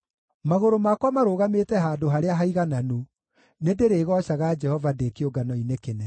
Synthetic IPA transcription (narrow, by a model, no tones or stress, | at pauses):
maɣoɾomakwamaɾoːɣametɛɦaːdoɦaɾeaɦaiɣananu | nedeɾeːɣɔʃaɣad͡ʒɛhɔvadekeoɡanɔinekenɛ